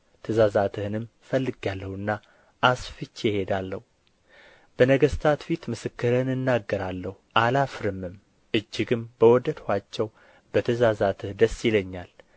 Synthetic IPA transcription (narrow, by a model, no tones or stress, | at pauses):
t̪ʰəzazat̪ʰɨhɨnɨm | fəlːɨɡjalːəhɨnːa | ʔasfɨt͡ʃːjɪhed̪alːəhu | b̥ənəɡəst̪ʰat̪fit̪mɨsɨkːɨɾəhɨnɨnːaɡːəɾalːəhuʔalafɨɾɨmːɨm | ɨd͡ʒːɪɡɨmbəwɔd̪əd̪hʷat͡ʃːɛw | bət̪ʰəzazat̪ʰɨhd̪əsːɪləɲːal